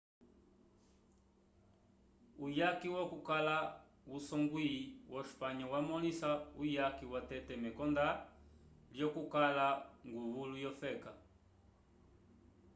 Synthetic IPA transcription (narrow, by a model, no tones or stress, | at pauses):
ujakiwɔkukala | usɔŋɡwiwʔɔʃu̥paɲɔwamɔnisaujakiwatɛtɛmɛkɔnda | ljɔkukalaŋɡuβulujɔfɛka